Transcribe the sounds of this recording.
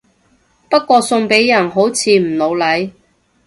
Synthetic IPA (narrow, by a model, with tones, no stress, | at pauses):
pɐ˥t̚kʷɔː˧sʊ˧ŋpe˨˥jːɐ˨˩nɦo˨˥wt͡sʰiː˨˧m̩˨˩lo˨˧wlɐ˨˥j